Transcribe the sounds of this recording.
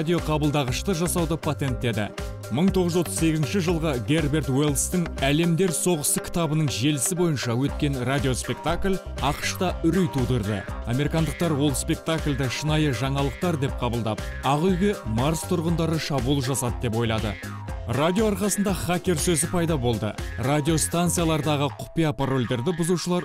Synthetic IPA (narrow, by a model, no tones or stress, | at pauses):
d̪ʲijo̞qʰɑbəlˠd̪ɑʁəʃt̪əʒɑsɑwd̪əpʰat̪ʲe̞nt̪̚ːe̞d̪ɪ̰ | məɴt̪ʰo̞ʁəʒzwot̪ːə̥zse̞ɡʲɪzɪnʃɪʒəlˠʁəɡʲe̞rbe̞rt̪welˠst̪ɪŋæle̞md̪e̞ɾso̞ʁəst̪əkʲʰɪ̥t̪ɑbənəɴʒe̞lɪsɪbo̞jənʃɑwɵt̪̚kʲe̞nrad̪ʲijo̞spe̞k̚t̪aklʲ | ɑqə̥ʃt̪ɑʏɾyjt̪ʰud̪əɾd̪ə̰ɑmeɾikɑnd̪əq̚t̪ɑɾwo̞lˠspe̞k̚t̪aklʲd̪ɪʃənɑjəʒɑɴɑlˠəq̚t̪ɑɾd̪e̞p̚qʰɑbəlˠd̪ɑpɑʁʏjɡʲe̞maɾst̪ʰʊɾʁənd̪ɑɾəʃɑbulˠəʒɑsɑd̪əd̪e̞p̬wo̞jlˠɑd̪ə̰ | rad̪ʲijo̞ɑɾqɑsənd̪ɑχakʲe̞ɾsɵzɪpʰɑjd̪ɑbo̞lˠd̪ə̰rad̪ʲio̞st̪ant̪sijalˠɑɾd̪ɑʁəqʰʊ̥pijapʰaro̞lʲd̪e̞ɾd̪ɪbʊzuʃəlˠɑɾ